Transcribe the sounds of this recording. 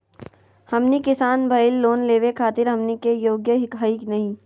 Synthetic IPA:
hɐmnikɪsaːnbʱɐɪlːoːnleːʋekʰaːt̪ɪɾɦɐmnikejoːɡjəɦɪkɦaːiknɐɦĩː

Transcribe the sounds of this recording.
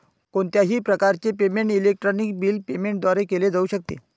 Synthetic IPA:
koɳt̪jaɦiːpɾəkaɾt͡sepemeɳʈilek̚ʈɾonik̚biːlpemeɳʈ̚d̪ʋaɾekeled͡zauɕək̚t̪ḛ

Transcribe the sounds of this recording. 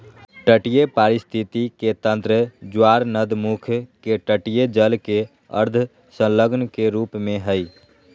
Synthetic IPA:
ʈəʈijepaɾist̪ʰit̪iket̪ə̃nt̪ɾəd͡ʒwaɾnəd̪mukʰkeʈəʈijed͡ʒəlke | ə̰ɾd̪ʱ | sə̃ləɡnkeɾuːpmẽɦəj

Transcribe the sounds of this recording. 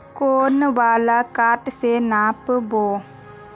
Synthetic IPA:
konəbaːlakaʈsenapbo

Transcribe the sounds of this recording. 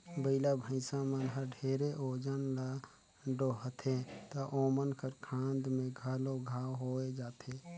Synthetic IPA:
bəɪlabʱəɪsãmənɦəɾɖʱeːɾeʔoːd͡ʒənla | ɖoɦət̪ʰet̪əʔoːmənkəɾkʰãːnd̪mẽɡʱaːloɡʱaːɦoːed͡ʒaːt̪ʰe

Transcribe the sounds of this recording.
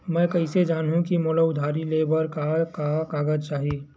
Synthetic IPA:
mɛ̃ːkɐɦɪsed͡ʒaːnɦũkimoːlaʊd̪ʱaːɾileːbəɾkakakaːɡəd͡ʒt͡ʃaːɦieː

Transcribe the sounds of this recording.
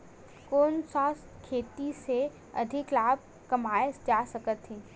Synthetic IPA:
koːnsaːs | kʰeːt̪ise | ɐ̰d̪ʱɪklaːb̚ | kɐmaːed͡ʒaːsɐkət̪ɦĩː

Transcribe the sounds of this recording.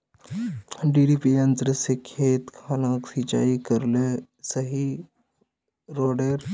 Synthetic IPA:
ɖiɖipijə̃nt̪ɾəsekʰeːt̪kʰalãːksit͡ʃa̰ːikəɾle | sɐɦi | ɾoːɖeɾ

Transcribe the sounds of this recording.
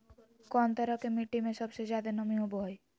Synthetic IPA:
kɔnt̪ɔɾɔkemiʈːimẽsɔbsed͡ʒjad̪enʌmiɦoboɦɔj

